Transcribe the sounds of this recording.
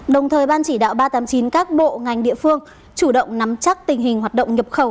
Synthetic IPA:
ɗə˨˩wŋ͡mt̪ʰəː˨˩jɓaː˧nt͡ɕi˧˩ɗa̰ː˧˨wɓaː˧t̪aː˨˦mt͡ɕi˨˦nkaː˦˥k̚ɓo̰˧˨ŋa˨˩jŋ̟ɗḭ˧˨əfɨ˧əŋ | t͡ɕu˧˩ɗə̰˧˨wŋ͡mna˨˦mt͡ɕa˦˥k̚t̪ï˨˩ŋ̟ɦi˨˩ŋɦwaː˨˩t̚ɗə̰˧˨wŋ͡mɲə˨˩p̚xə˧˩w

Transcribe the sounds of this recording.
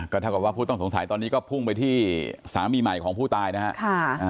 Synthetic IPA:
kɔː˥˩aː˥˩ka˨˩waː˥˩pʰuː˥˩t̪ɔ˥˩so˩˦ŋsa˩˦jt̪ɔː˧nːiː˦˥kɔː˥˩pʰu˥˩ŋp̬a˧jt̪ʰiː˥˩sa̰ː˩˦miː˧ma˨˩jkʰɔː˩˦ŋpʰuː˥˩t̪aː˧jna˦˥ha˦˥ʔkʰa˥˩˧

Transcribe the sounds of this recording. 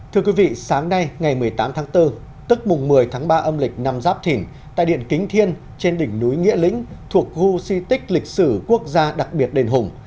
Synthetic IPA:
t̪ʰɨ˧əkwi˨˦vḭ˧˨saː˨˦ŋna˧jŋa˨˩jmɨ˨˩əjt̪aː˨˦mt̪ʰaː˨˦ŋt̪ɨ˧ | t̪ɨ˦˥k̚mʊ˨˩ŋ͡mmɨ˨˩əjt̪ʰaː˨˦ŋɓaː˧ʔə˧mlï˨˩k̟̚na˧mzaː˦˥p̚t̪ʰi˧˩n | t̪a̰ː˧˨jɗḭ˧˨ənkï˨˦ŋ̟t̪ʰi˧ən | t͡ɕe˧nɗï˧˩ŋ̟nu˨˦jŋḭ˧˥əlḭ̈˧˥ŋ̟t̪ʰu˨˩ək̚ɣu˧si˧t̪ï˦˥k̟̚lï˨˩k̚sɨ˧˩ku˦˥ək̚zaː˧ɗa˨˩k̚ɓi˨˩ət̚ɗe˨˩nɦʊ˨˩ŋ͡m

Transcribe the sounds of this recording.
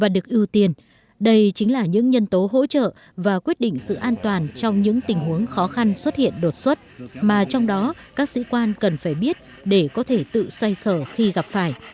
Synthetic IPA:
vaː˨˩ɗɨ˨˩ək̚ʔi˧əwt̪i˧ən | ɗə˧jt͡ɕï˨˦ŋ̟laː˨˩ɲɨ̰˧˥ŋɲə˧nt̪o˨˦ɦo̰˧˥t͡ɕə̰ː˧˨ | vaː˨˩kwi˦˥ət̚ɗḭ˧˨ŋ̟sɨ̰˧˨ʔaː˧nt̪waː˨˩nt͡ɕɔ˧wŋ͡mɲɨ̰˧˥ŋt̪ï˨˩ŋ̟ɦu˨˦əŋxɔ˨˦xa˧nswə˦˥t̚hḭ˧˨ənɗo˨˩t̚swə˦˥t̚maː˨˩t͡ɕɔ˧wŋ͡mɗɔ˨˦kaː˦˥k̚sḭ˧˥kwaː˧nkə˨˩nfaː˧˩jɓi˦˥ət̚ | ɗe˧˩kɔ˨˦t̪ʰe˧˩t̪ɨ̰˧˨swa˧jsəː˧˩xi˧ɣa˨˩p̚faː˧˩j

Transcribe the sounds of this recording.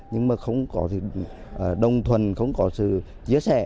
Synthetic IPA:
ɲɨ˧ŋmaː˨˩xə˧wŋ͡mkɔ˨˦t̪ʰi˨˩ʔəː˨˩ɗə˨˩wŋ͡mt̪ʰwə˨˩nxə̰˧wŋ͡mkɔ˨˦sɨ̰˧˨ | t͡ɕi˨˥əsɛ̰˧˩˨

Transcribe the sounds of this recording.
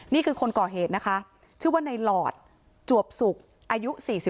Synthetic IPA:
niː˥˩kʰɯː˧kʰo˧nkɔː˨˩ɦeː˨˩t̪̚na˦˥kʰa˦˥ʔ | t͡ɕʰɯː˥˩˦waː˥˩na˧jlɔː˨˩t̪̚ | t͡ɕu˨˩əp̚su˨˩k̚ | ʔaː˧ju˦˥siː˨˩si˨˩

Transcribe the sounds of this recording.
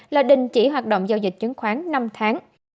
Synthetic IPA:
laː˨˩ɗï˨˩ŋ̟t͡ɕi˧˩ɦwaː˨˩t̚ɗo̰˧˨wŋ͡mzaː˧wzï˨˩k̟̚t͡ɕə˨˦ŋxwaː˨˦ŋna˧mt̪ʰaː˨˦ŋ

